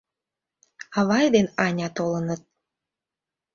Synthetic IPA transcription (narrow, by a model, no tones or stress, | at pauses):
ɑβɑjd̪enɑnʲɑt̪olənət̪̚